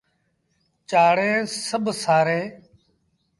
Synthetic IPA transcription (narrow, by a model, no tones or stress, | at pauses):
t͡ʃaːɽẽːsəbsaːɾẽː